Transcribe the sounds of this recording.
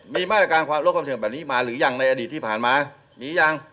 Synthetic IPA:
miː˧maː˥˩ɾa˧kaː˧nkwaː˧mlo˦˥kʰa˧sʰi˩˦˩bɛː˨˩p̚niː˦˥˩maː˧˩ɾɯː˨˩˦ja˨˩ŋna˧jʔa˧diː˨˩t̪ʰːiː˥˩pʰaː˨˩nmaː˧ | niː˨˦ja˧˩ŋ

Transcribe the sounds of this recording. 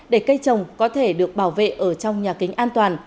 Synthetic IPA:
ɗe˧˩kə˧jt͡ɕə˨˩wŋ͡mkɔ˨˦t̪ʰe˧˩ɗɨ˨˩ək̚ɓaː˧˩wvḛ˧˨ʔəː˧˩t͡ɕɔ˧wŋ͡mɲaː˨˩ki˨˦ŋ̟ʔaː˧nt̪waː˨˩n

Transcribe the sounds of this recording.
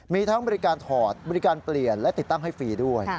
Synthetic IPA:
miː˧t̪ʰa˦˥ŋbɔː˧ɾi˦˧˥kaː˧nt̪ʰɔː˨˩t̪̚bɔː˧ɾi˦˥kaː˧npli˨˩ənlɛ˦˥t̪i˨˩t̪ːa˥˩ŋɦa˥˩jfiː˧du˥˩əj

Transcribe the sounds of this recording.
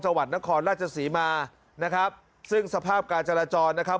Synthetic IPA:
t͡ɕa˧ŋwa˨˩t̪̚na˦˥kʰɔː˧nɾaː˥˩t͡ɕʰa˧siː˩˦maː˧ | na˦˥kʰa˦˥p̚ | sɯ˥˩ŋsa˧pʰaː˥˩p̚kaː˧nt͡ɕa˧ɾaː˧t͡ɕɔː˧nːa˦˥kʰa˦˥p̚

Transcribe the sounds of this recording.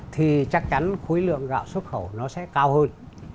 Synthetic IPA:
t̪ʰi˨˩t͡ɕa˦˥k̚t͡ɕa˨˦nxu˨˦jlɨ̰˧˨əŋɣa̰ː˧˨wswə˦˥t̚xə˧˩wnɔ˨˦sɛ̰˧˥kaː˧whəː˧n

